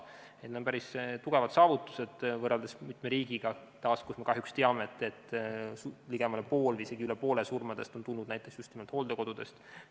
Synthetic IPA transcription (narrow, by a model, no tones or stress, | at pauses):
et̪neonpæɾist̪uɡ̥e̞vɑd̪̥sɑːvut̪ːˑu̥se̞d̪̥vɤrɑld̪̥esmit̪meɾiːɡ̥iɡ̥ɑ | t̪ɑːskusmekɑɦjykst̪eɑmeːt̪ːˑet̪ːˑuliɡ̥emɑlepo̞ːlvise̞ɡ̥iylepo̞ːle̞surmɑd̪̥e̞st̪o̞nt̪ulnːud̪̥næjt̪ːˑeksjust̪nimelt̪hoːld̪eko̞d̪̥ud̪̥e̞st̪